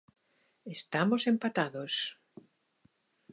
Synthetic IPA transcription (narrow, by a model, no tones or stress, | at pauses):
est̪amosempat̪aðos